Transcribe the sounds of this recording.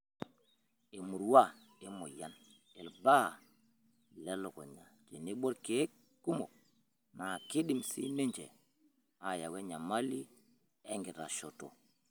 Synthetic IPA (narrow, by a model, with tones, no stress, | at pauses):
i˨mu˨ɾwa˦ | i˦mo˨ja˦n | i˨lba˦˨ | le˦lo˨ko̰˨ɲa˨d͡ʒe˨ni˦ɓo˦ɾke˦k | kːu˦mo̰˨ | na˨ki˦di˨msḭ˦ne˦ɲd͡ʒḛ˨ | a˨ja˨we˦ɲa˨ma˦li˦ | e˦ŋɡi˨ɾa̰˨ʃo˨to̰˨